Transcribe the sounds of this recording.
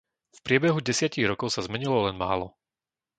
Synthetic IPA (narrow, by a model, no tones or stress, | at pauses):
fpɾɪɛbɛɦuɟɛsɪaciɣɾɔkɔʊsazmɛɲilɔlɛnma̰ːlɔ